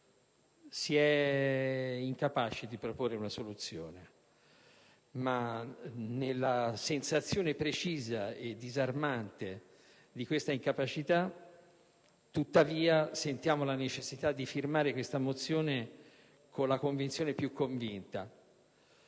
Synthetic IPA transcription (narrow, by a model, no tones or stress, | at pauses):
siɛ | iŋkapaːt͡ʃed̪ipɾoporːeunasolut̪sːjo̰ːne | ma | nelːasensat̪sːjoːnepɾet͡ʃiːzaed̪ːizarmant̪e | d̪ikwest̪aiŋkapat͡ʃit̪a | t̪ːut̪ːaviːasent̪jaːmolanet͡ʃesːit̪ad̪ːifirmaːɾekwest̪amot̪sːjoːne | kʰonlːakoɱvint̪sjoːnepjukʰːoɱvint̪a